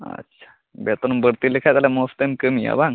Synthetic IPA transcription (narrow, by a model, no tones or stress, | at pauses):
ə̰tːɕʰḁ | bet̪onbəɽt̪ilekʰat̪alamost̪emkəmija̰bãŋ